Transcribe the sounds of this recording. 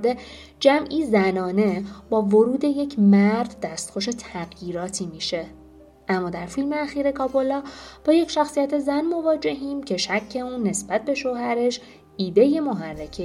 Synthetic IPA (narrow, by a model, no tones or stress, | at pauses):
d̪e | d͡ʒæmʔiːzænɒːne̞bɒːvoɾuːd̪e̞je̞cʰmæɾd̪ːæst̪xo̞ʃ̬e̞t̪ʰæɣjiːɾɒːt̪ʰiːmiːʃe̞ | ʔæmːɒːd̪æɾfilmeæxiːɾe̞kʰɒːbo̞lɒːb̥ɒːje̞cʰʃæxsijæt̪ʰe̞zænmo̞vɒːd͡ʒe̞ɦiːmcʰe̞ʃæcʰːe̞uːnːe̞sbæt̪̚be̞ʃohæɾe̞ʃ | iːd̪e̞je̞moɦærːecʰe